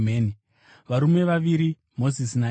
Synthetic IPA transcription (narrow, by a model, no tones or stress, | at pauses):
meːni | ʋaɾume̞ʋaʋiɾi | mo̞zisina